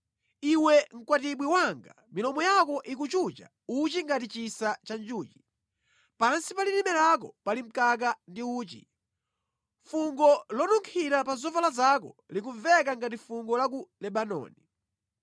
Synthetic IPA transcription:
iwɛŋ̩kwatiɓwiwaŋɡa̰ | milɔmɔjakɔʔik̬ut͡ʃut͡ʃa̰ | ut͡ʃiŋɡatit͡ʃisat͡ʃand͡ʒuːt͡ʃi̥ | paɾansipalinimɛlak̬ɔpalim̩kak̬andiuːt͡ʃḭ | fuŋɡɔlɔnuŋkʰiɾapazɔvalazakɔlik̬uɱvɛkaŋɡatifuŋɡɔlakulɛɓanɔ̰ːni

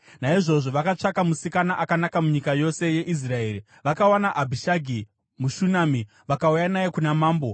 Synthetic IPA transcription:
naiʐo̞ʐo̞ʋakat͡ʂakamusikanaʔakanakamuɲikajo̞se̞je̞ʔis̬rae̞ːɾi | ʋakawanaʔabʱiʃaɡʱi | muʃunaːmi | ʋakaujanaje̞kunamaːmbo̞

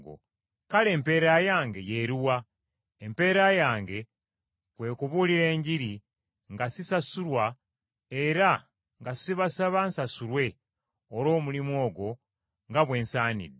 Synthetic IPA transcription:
ɡo̰ | kale̞ːmpe̞ːɾajaːŋɡe̞jeɾiwa | empe̞ːɾajaːŋɡe̞ | kwe̞ːkuβuliɾe̞ːɲɟiɾi | ŋɡasisasulwa | eɾa | ŋɡasiβasaβansasulwe̞ | olo̞ːmulimo̞ːɡo̞ | ŋɡaβwe̞ːnsaːnḭdːe

